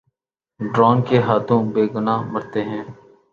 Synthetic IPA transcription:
ɖɾɔːnkeɦaːt̪ʰõːbeːɡʊnaːmɐɾt̪eːɦɛ̃ː

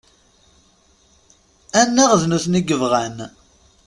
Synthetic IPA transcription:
ænːæʁðnuθniɡəvʁæn

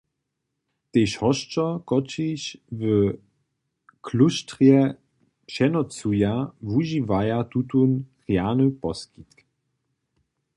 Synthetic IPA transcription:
t̪eːʃhɔʃt͡ʃɔkɔt͡ʃiɕvə | kʰluʃtʁjɛ | pʃɛnɔt͡sujavuʒivajat̪ut̪unʁjanəpɔskit̪k

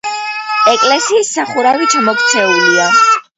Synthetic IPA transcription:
ɛkʼlɛsiːsːaχuɾavit͡ʃʰamɔkʰt̪sʰɛulia

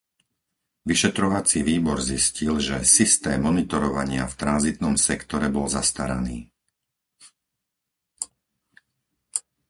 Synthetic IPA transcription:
ʋiʃɛt̪ɾɔʋat͡siʋiːbɔɾziscilʒɛsist̪ɛːmːɔnit̪ɔɾɔʋaɲɪa̰ft̪ɾanzit̪nɔmsɛkt̪ɔɾɛbɔlzast̪aɾaniː

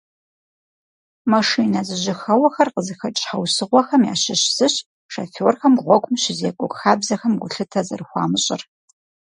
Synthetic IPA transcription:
mɐʂiːnɐzɨʑɪxɐwɐxɐrqəzɨxɐt͡ʃʼħɐwsɨʁʷɔxɐmja̰ːɕɪɕsɨɕ | ʂaforxɐmʁʷɔkʷʼʊmɕɪzeːkʷʼɔkʼxaːbzɐxɐmɡʷʊɬɨtʰɐzɐ̰rɨxʷɑ̰ːmɨɕʼɪ̰r

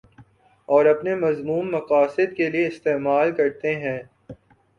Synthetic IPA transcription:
ɔːɾɐpnemɐzmuːmːɐqaːsɪd̪kelieɪst̪eːmaːlkɐɾt̪eɦɛ̃ː

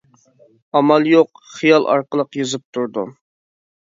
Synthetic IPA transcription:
ɑmɑlˠjoq | χijɑlˠʔɑ̰ɾqəlˠəqjɨzɨp̚t̪ʰuɾd̪ṵ

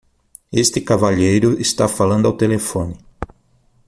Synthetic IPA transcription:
est̪ɪkavaʎejɾʊɪst̪afalɐ̃nd̪ʊawt̪elefõnɪ

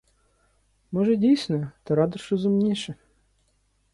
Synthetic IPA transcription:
mɔʒɛdʲijsʲnɔjʊt̪ɐɾɑd̪ʊʃrɔzʊmnʲiʃɛ

